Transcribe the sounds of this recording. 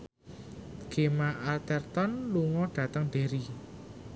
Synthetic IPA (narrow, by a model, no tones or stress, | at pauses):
ɡ̥e̤maʔalt̪ɛrt̪ɔnluŋɔɖ̥ä̤t̪əŋɖ̪̥e̤ɾi